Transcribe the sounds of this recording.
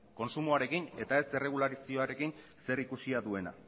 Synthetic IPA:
ko̞nsumoaɾe̞kine̞t̪ae̞se̞re̞ɣ̞ulaɾisio̞aɾe̞kin | se̞ɾikusiaðue̞na̰

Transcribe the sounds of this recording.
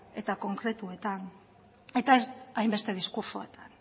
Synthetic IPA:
e̞t̪ako̞ŋkɾe̞t̪ue̞t̪an | e̞t̪aeajmbe̞st̪e̞ð̞iskuɾsoḛt̪ʰan

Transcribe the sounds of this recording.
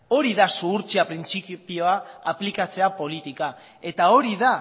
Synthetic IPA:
o̞ɾiðasuːɾt͡siapɾint͡sippio̞aːplikat͡se̞apo̞lit̪ika | e̞t̪ao̞ɾiða

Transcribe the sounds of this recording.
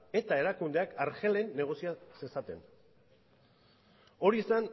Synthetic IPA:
e̞t̪ae̞ɾakund̪e̞akaɾxe̞le̞nːe̞ɣ̞o̞siasesat̪e̞̰n | o̞ɾiesan

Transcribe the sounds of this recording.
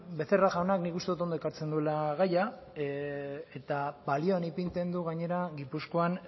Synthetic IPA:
be̞θeraɣaonaknikust̪e̞ut̪̬o̞nd̪okaɾt͡send̪ue̞laɣaja | et̪abalio̞anipint̪e̞nd̪uɣaɲe̞ɾaɣipusko̞an

